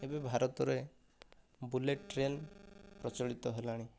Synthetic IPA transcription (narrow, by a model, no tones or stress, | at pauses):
ebebʱaɾɔt̪ɔɾe | buleʈʈɾenpɾɔt͡ʃɔɭit̪ɔɦelaɽ̃i